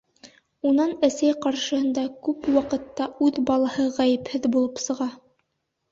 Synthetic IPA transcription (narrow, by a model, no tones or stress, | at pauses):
unɑnæsæjqɑɾʃɤ̆hɤ̆nd̪ɑkʉpwɑqɤ̆t̪ːɑʉðbɑlˠɑhɤʁæjɘ̆phɘðbulˠɤpsɤ̆ʁɑ